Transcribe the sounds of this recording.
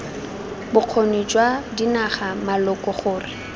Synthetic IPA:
bʊq͡χʰonit͡ʃʼwadinaχamalɔkʼɔχʊːrɪ

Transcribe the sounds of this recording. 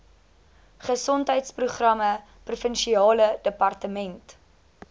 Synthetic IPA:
χəsɔntɦəjtspruχrɐmə | prufənʃiɑːlədəpɐrtəmɛnt

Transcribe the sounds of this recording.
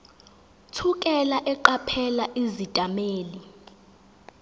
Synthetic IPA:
tʰukʼɛlaʔɛǃapʰɛlaʔizitʼameːli

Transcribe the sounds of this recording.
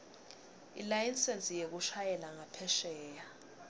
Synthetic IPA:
ḭlajinsɛnt͡sʼijek̬uʃajɛlaŋapʰɛʃɛːja

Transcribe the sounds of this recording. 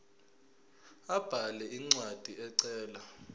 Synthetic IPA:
ab̥ʱalɛiŋ͡ǀwad̥ʱiʔɛǀɛːla

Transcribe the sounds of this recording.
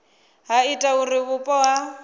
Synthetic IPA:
ɦaitʼaurɪβʊpʼɔwa

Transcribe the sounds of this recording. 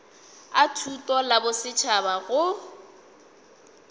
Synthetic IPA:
atʰutʼɔlabʊsɪt͡ʃʰabaɣʊ

